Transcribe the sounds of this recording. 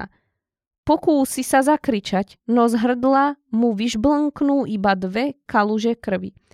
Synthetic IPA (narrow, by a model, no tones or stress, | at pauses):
a̰ | pɔkuːsisazakɾit͡ʃac | nɔzɦr̩d̪lamuʋiʒbləŋknuːʔibad̪ʋɛkaluʒɛkr̩ʋḭ